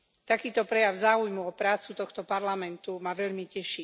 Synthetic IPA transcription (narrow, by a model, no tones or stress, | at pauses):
t̪akiːt̪ɔpɾɛjaʊzaːujmuɔpɾaːt͡sut̪ɔxt̪ɔpaɾlamɛnt̪umaʋɛʎmicɛʃi